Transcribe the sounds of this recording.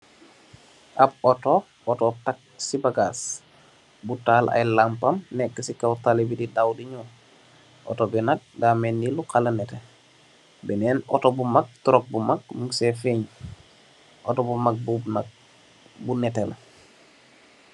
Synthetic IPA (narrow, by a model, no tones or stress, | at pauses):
ʔapɔtop̚ | ɔtop̚tak̚sibaɡaːs | butaːlʔa̰jlampɐmnɛkːəsikawtalebididawdiɲu | ʔo̰tobinɐk̚ɡaːmenːilukalɐnɛte | bɛnɛːnɔ̰tobumak̚tuɾok̚bumak̚muŋsefeɲ | ʔotobumak̚bu | bunɛtela̰